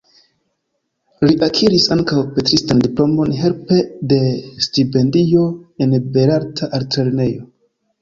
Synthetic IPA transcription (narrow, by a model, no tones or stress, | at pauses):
liʔakʰiɾisaŋkawpetɾistandiplo̞mo̞nɦe̞ɾpe̞de̞stipe̞ndio̞enbe̞ɾaɾtʰaʔaɾtɾeɾne̞jo̞